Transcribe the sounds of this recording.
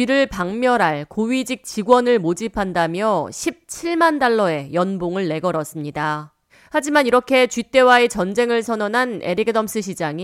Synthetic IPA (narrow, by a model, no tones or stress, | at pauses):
iɾɯɭpaŋmjʌɾaɭkoɥid͡ʑik̚t͡ɕiɡwʌnɯɭmod͡ʑipʰandamjʌɕʰip̚t͡ɕʰiɭmandaɭːʌe̞jʌnboŋɯɭːe̞ɡʌɾʌs͈ɯmɲida | had͡ʑimaniɾʌkʰe̞t͡ɕɥit͈e̞waet͡ɕʌnd͡ʑe̞ŋɯɭsʰʌnʌnɦane̞̰ɾiɡɯdʌms͈ɯɕ̬ʰid͡ʑaŋi